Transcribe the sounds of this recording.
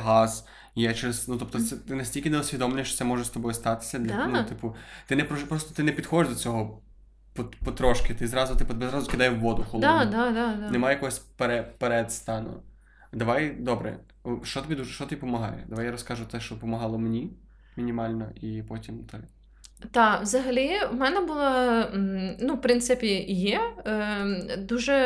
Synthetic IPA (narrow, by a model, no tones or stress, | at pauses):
ɦɑz̥ | jat͡ʃɛɾɛznut̪ɔpt̪ɔt̪sɛt̪ɪnɐsʲtʲilʲkɪnɛɔsʲʋʲid̪ɔmlʲˠnʲɛʃt͡ʃɔ̥ɛmɔʒɛst̪ɔbɔjst̪ɑt̪ɪ̥sʲɐd̪lʲɐnut̪ɪpʊt̪ɪnɛpɾɔʒpɾɔst̪ɔt̪ɪnɛpʲid̪xɔdɪʒd̪ɔt͡sʲɔɦɔ | pɔpɔt̪ɾɔʃkɪt̪ɪzɾɑzʊt̪ɪpʊbezɾɑzʊkɪd̪ɑjɛʋʋɔd̪ʊxɔlˠd̪ad̪anɛmajjɐkɔɦɔsʲpeɾɛpeɾɛd̪st̪ɑnʊ̰ | d̪ɐʋɑjd̪ɔbɾɛ̰ | ʃt͡ʃɔt̪ɔbʲid̪uʒɛʃt͡ʃɔt̪ʲipɔmɐɦɑ̰jd̪ɐʋajaɾɔskɑʒʊt̪ɛʃt͡ʃɔpɔmɐɦɑlˠɔmnʲi | mʲinʲimɑlʲnɔʔipɔtʲimt̪ɛ | t̪ɑwzɐɦɐlʲiwmɛnɛbʊlˠɑ | nupɾɪnt̪sɪpʲijɛ | d̪uʒɛ